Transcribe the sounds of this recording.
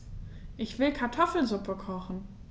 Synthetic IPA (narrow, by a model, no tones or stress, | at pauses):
ʔɪçv̥ɪlkʰaɐtʰɔfl̩zʊpʰəkʰɔχn̩